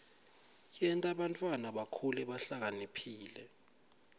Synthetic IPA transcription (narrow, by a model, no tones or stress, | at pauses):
jɛntʼaɓantʼwanaɓakʰulɛɓaɬak̬anipʰiːlɛ